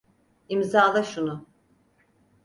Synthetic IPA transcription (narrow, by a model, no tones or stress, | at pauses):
imzaːlˠaʃunʊ